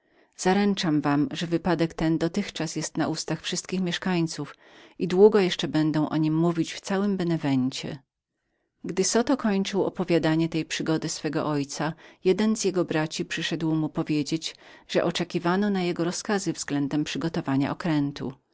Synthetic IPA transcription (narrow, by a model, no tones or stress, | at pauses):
z̥aɾɛnt͡ʂamvamʐɛvɘpad̪ɛkt̪ɛnd̪ɔt̪ɘxt͡ʂasjɛst̪naʔust̪axfʂɘst̪̚kʲixmʲjɛʂkaɲt̪suf | id̪wuɡɔjɛʂt͡ʂɛbɛnd̪ɔ̃w̃ʔɔɲimːuvʲit͡ɕft̪sawɘmbɛnɛvɛɲt͡ɕɛ̰ | ɡd̪ɘsɔt̪ɔkɔɲt͡ʂɘwɔ̰pɔvʲjad̪aɲɛt̪ɛjpʂɘɡɔd̪ɘsfɛɡɔ̰ʔɔjt̪sajɛd̪ɛnzjɛɡɔbɾat͡ɕipʂɘʂɛd̪wmupɔvʲjed͡ʑed͡ʑʐ̥ɛʔɔt͡ʂɛkʲivanɔnajɛɡɔɾɔskazɘvzɡlɛnd̪ɛmpʂɘɡɔt̪ɔvaɲa̰ʔɔkɾɛnt̪ṵ